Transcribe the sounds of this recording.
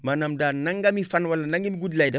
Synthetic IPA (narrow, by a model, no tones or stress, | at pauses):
manɐmdaːnɐŋɡɐmifɐnwɐlːɐnɐŋɡɐmiɡudilɐjdɛ